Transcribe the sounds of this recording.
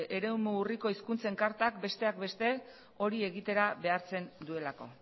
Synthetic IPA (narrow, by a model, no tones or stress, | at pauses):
eɾe̞umuuriko̞iskunt͡se̞ŋkaɾt̪ak̚be̞st̪e̞ak̚be̞st̪e̞ | o̞ɾie̞ɣit̪e̞ɾaβe̞aɾt͡se̞nd̪ue̞lako̞̰